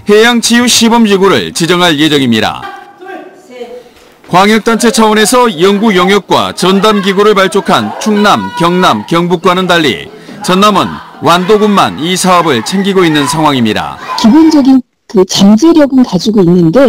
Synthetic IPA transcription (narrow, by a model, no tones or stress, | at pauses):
he̞jaŋt͡ɕʰijuɕʰibʌmɕiɡuɾɯ̰ɭt͡ɕid͡ʑʌŋɦaɭje̞d͡ʑʌŋimɲiɾa̰ | kwaŋjʌk̚t͈ant͡ɕʰe̞t͡ɕʰawone̞sʰʌjʌŋɡuɡjʌŋjʌk̚k͈wa̰t͡ɕʌndamɡiɡuɾɯɭpaɭt͡ɕ͈okʰant͡ɕʰuŋnamkjʌŋnamkjʌŋbuk͈̚wanɯndaʎːḭ | t͡ɕʌnːamɯ̰n | wandoɡumːa̰nisʰaʌbɯɭt͡ɕʰe̞ŋɡiɡoinːɯnsʰaŋɦwaŋimɲiɾa̰kibond͡ʑʌɡin | kɯt͡ɕamd͡ʑeɾjʌɡɯnkad͡ʑiɡoinːɯnde̞